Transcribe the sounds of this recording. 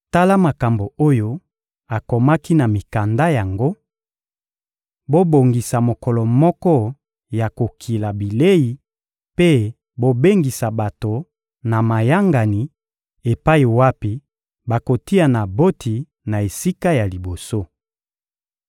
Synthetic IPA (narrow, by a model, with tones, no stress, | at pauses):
ta˦la˦ma˨ka˨mbo˨o˦jo˦ | a˨ko˨ma˦ki˦na˨mi˨ka˨nda˦ja˨ŋɡo˦ | bo˦bo˨ŋɡi˨sa˨mo˨kɔ˨lɔ˨mɔ˦kɔ˦ | ja˨ko˨kʰi˨la˨bi˨le˦i˨ | pe˦ | bo˦be˦ŋɡi˨sa˨ba˨to˨ | na˨ma˨ja˦ŋɡa˨ni˨ | e˨pa˦i˨wa˦pi˦ | ba˨ko˨ti˦a˨na˨bo˦tʰi˨ | na˨e˨si˦ka˦ja˨li˨bo˨so˦